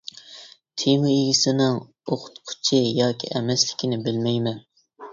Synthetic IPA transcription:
t̪ʰemɨiɡʲisɪnɪŋ | oqʰʊ̥t̪qʰʊ̥t͡ʃʰɪjɑːkʲʰḭʔɛmɛslɪkʲinɪbɪlmɛjmɛn

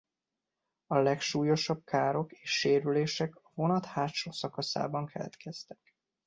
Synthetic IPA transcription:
ɒlɛkʃuːjo̞ʃɒb̚kʰaːɾo̞keːʃːeːɾyleːʃɛkɒvo̞nɒt̪haːt̪ʃoːsɒkɒsa̰ːbɒŋkʰɛlɛ̰t̪kɛst̪ɛ̥k

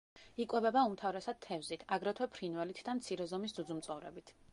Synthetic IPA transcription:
ikʼwɛbɛbaumt̪ʰavɾɛsad̪̥̚t̪ʰːɛvzit̪ʰaɡɾɔt̪ʰwɛpʰɾinvɛlit̪ʰd̪amt̪sʰiɾɛzɔmis̬d̪ud̪zumt̪sʼɔvɾɛ̰bit̪ʰ

